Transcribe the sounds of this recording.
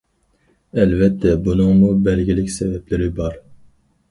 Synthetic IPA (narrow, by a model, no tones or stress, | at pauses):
ɛlvɛt̪ʰːɛbunɨŋmubɛɾɡʲilɪkʲsɛvɛplɪɾɪbɑɾ